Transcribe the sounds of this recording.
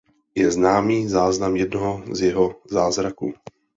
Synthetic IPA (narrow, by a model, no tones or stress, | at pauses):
jɛznaːmiːzaːznamjɛdnoɦozjɛɦozaːzɾakuː